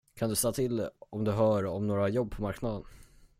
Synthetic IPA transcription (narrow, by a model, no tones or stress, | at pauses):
kʰand̪ɵst̪ɑːt̪ʰɪlːʔɔmd̪ɵɦœːɾɔmnoːɾajɔbːpʰɔmaɾknad̪ən